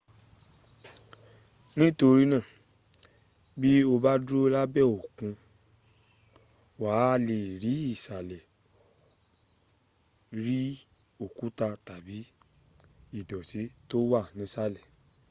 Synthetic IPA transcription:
nĩ˦to˧ɾi˦nã˦˨ | bi˦o˧ba˦dɾo˦la˦bɛ˦˨o˨kũ˧ | waː˨˦˧le˨ɾi˨˦i˦˨sa˨lɛ˨ | ɾi˦ | o˨kũ˨˦ta˧ta˨bi˨˦ | i˦˨dɔ˨ti˨˦to˦wa˦˨nĩ˨˦sa˦lɛ˦˨

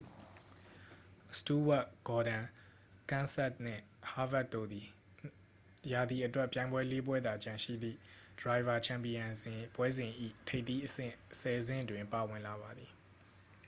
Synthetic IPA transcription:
stu˦wa˦ʔɡ̥ɔ˨ɾã˨ | kã˦˨nsɛ˦t̚nɪ̰̃˦˨ | ha˦vɛ˦ʔt̪ːo˦˨d̪ði˨ | ja˨d̪ði˨ʔətwɛ˦ʔpjã˨ɪ̃mbwɛ˦le˦p̬wɛ˦d̪a˨t͡ɕã˨ʃḭ˦˨d̪ðḭ˦˨ | d̥əɹa˨ɪva˨t͡ɕʰã˨mpi˨jã˨zɪ̃˨pwɛ˦zɪ̃˨ʔḭ˦˨tʰe˦˨ɪʔt̪ːi˦ʔəsɪ̰̃˦˨sɛ˨zɪ̰̃˦˨dwɪ̃˨mpa˨wɪ̃˨nla˨βa˨d̪i˨

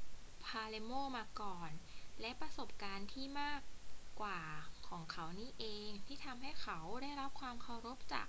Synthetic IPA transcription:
pʰaː˧le˧moː˥˩maː˧kɔː˨˩nlɛ˦˥pɾa˧so˨˩p̚kaː˧nt̪ʰiː˥˩maː˥˩kːwaː˨˩kʰɔː˩˦ŋkʰa˦˥wniː˦˥˩ʔeː˧ŋt̪ʰiː˥˩t̪ʰa˧mɦa˥˩jkʰa˦˥wdaː˥˩jɾa˦˥p̚kʰwaː˧mkʰa˨˩wɾo˦˥p̚t͡ɕa̰ː˨˩k̚

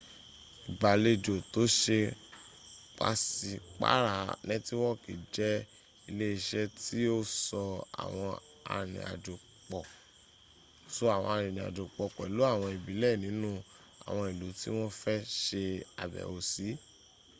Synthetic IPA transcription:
i˨ba˨le˧d͡ʒo˨to˨˦ʃe˧ | k͡pa̰˨˦si˧k͡pa̰˦ɾa˦˨nɛ̃˦ti˦w̃ɔ̃˦ki˨d͡ʒɛ˦ | i˧le˦i˧ʃɛ˦ti˦o˦sɔ˧a̰˨w̃ɔ̃˧ | a̰˧ɾ̃ḭ̃˨a̰˨d͡ʒo˨ | k͡pɔ˨ | so˦a˨w̃ɔ̃˧a˧ɾ̃ĩ˨nĩ˨a̰˨d͡ʒo˨k͡pɔ˨k͡pɔ˨i˨lo˨˦a˦˨w̃ɔ̃˧i˨bi˨˦lɛ˦˨nĩ˨˦nũ˦ | a̰˨w̃ɔ̃˧i˨lu˨˦ti˦w̃ɔ̃˦fɛ˦ʃe˧a˨bɛ̰˨o˧si˨˦

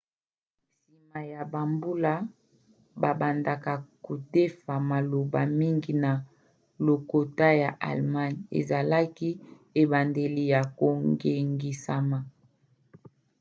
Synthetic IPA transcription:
si˨ma˨ja˨ba˨mbu˦la˦ | ba˨ba˨nda˨ka˨ko˨te˦fa˨ma˨lo˨ba˨mi˦ŋɡi˨na˨ | lo˨ko˨ta˦ja˨ʔa̰˨lma˦n˨ḛ˨za˨la˦ki˦ | e˨ba˨nde˨li˨ja˨ko˨ŋɡe˨ŋɡi˨sa˨ma˨

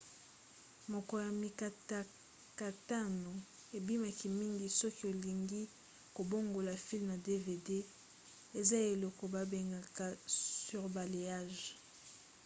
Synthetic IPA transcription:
mo˨kɔ˨ja˨mi˨ka˨ta˦ | ka˨ta˦no˨ | e˨bi˦ma˨ki˨mi˦ŋɡi˨sɔ˦ki˦o˨li˨ŋɡi˦ | ko˨bo˦ŋɡo˨la˨fi˦lmja˨de˦ve˨de˦ | e˨za˦e˨lɔ˨kɔ˨ba˨be˨ŋɡa˨ka˨sy˨ʁba˨le˨ja˦˨ʒ

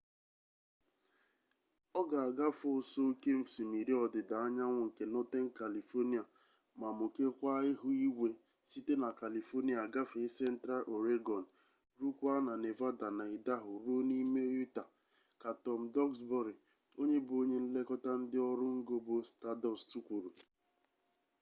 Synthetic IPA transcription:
ɔ˦ɡa˨a˨ɡa˦fo˦˨so˦ke˦m̩˦si˨mi˨ɾi˦ɔ˨dɪ˨da˨a˦ɲa˦ŋʷʊ˨ŋ̩˨ke˨nɔ˦te˦ŋ̩˦ka˨li˨fo˦ni˦a˨ | ma˨mʊ˨ke˦kʷa˦ɪ˦ɦʊ˦i˦wʷe˦ | si˦te˦na˨ka˨li˨fo˦ni˦a˨ɡa˦fe˨˦sɛ˦n̩˦tɾa˦lʔo˨ɾe˦ɡɔ˨n̩˨ | ɾu˦kʷa˦na˨ne˨va˦da˨na˨ɪ˨da˦ɦʊ˨ɾo˦ni˦me˦u˦ta˨ | ka˨tɔ˨m̩˨dɔ˦ksbɔ˦ɾɪ˨ | o˦ɲe˦bʊ˨o˦ɲe˦n̩˦le˦kɔ˦ta˦n̩˦dɪ˦ɔ˦ɾʊ˦ŋ̩˦ɡo˦bo˦sta˦dɔ˦stu˦kʷu˨ɾu˨

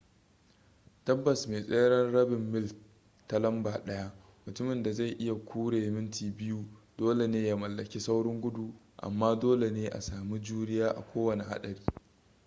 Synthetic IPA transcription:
tɐ˦bːɐ˨smeː˨sʼeː˦ɽɐ˦nɽɐ˦bɪ˨mːɪ˦l | ta˦lɐ˦mbaː˨ɗɐ˦ja˦ʔ | mʊ˨tʊ˦mɪ˨nda˨za˦˨ʔɪ˦ja˨kʷʰuː˦ɽeː˨mɪ˦ntiː˨bɪ˦ju˦doː˦le˨neː˦ja˦mɐ˨lːɐ˨kʲi˦sa˦wɽɪ˦ŋɡʷʊ˦du˨ | ʔa̰˨mːaː˦doː˦le˨neː˦ʔa̰˨saː˨mi˦d͡ʒuː˦ɽɪ˦jaː˦ʔa̰˨kʷoː˦wɐ˨ne˨ɦa̰˦ɗɐ˨ɽiː˦

